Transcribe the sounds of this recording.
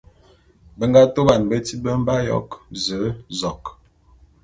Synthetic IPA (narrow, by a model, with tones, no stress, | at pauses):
bə˦ŋɡa˦to˦ba˨nbə˦ti˦bə˦m̩˦ba˦jɔ̰˦kzə˨˦zɔ˨k